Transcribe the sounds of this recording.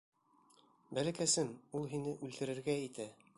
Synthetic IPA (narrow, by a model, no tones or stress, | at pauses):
bælækæsɘnulˠɦinɘʔʉlt̪ɘ̆ɾɘ̆ɾɡæit̪æ